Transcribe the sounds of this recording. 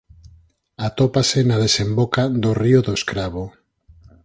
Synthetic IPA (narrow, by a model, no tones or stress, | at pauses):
at̪opasenað̞esembokaðorioðoeskɾaβo